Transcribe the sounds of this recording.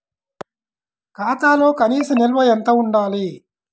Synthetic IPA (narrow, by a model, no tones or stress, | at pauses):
kaːt̪aːloːkɐniːsɐmilʋɐjent̪oːuɳɖaːli